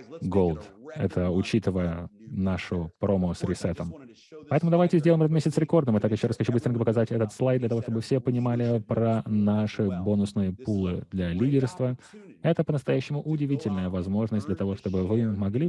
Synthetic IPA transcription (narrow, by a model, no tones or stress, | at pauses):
ɡolˠd̪ɛ̰t̪ʰəʊt͡ɕit̪ɨvəjənaʂʊpɾomʊsɾʲɪsɛt̪əm | pɐɛt̪əmʊd̪ɐvajtʲɪzʲdʲelˠɪmɾat̪mʲesʲɪt̪sɾʲɪko̞rd̪nɨmɨt̪akjɪɕːo̞ɾasxɐt͡ɕubɨst̪ɾɪnʲkəpəkɐzatʲɛt̪ət̪slˠajd̪lʲət̪ɐvo̞ʂt̪o̞bɨfsʲepənʲɪmalʲɪpɾɐnaʂɨbo̞nʊsnɨjəpulˠɨd̪lʲɐlʲidʲɪrst̪vəɛt̪əpənəst̪ɐjæɕːɪmʊʔʊdʲɪvʲitʲɪlʲnəjəvɐzmo̞ʐnəs̚ʲdlʲət̪ɐvo̞ʂt̪o̞bɨvɨmɐɡlʲi